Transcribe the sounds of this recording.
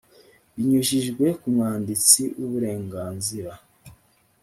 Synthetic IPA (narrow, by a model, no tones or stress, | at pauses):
βiɲuʒiʒɡwe̞kumŋaːndit͡siʔuβuɾe̞ːŋɡaːnziɾa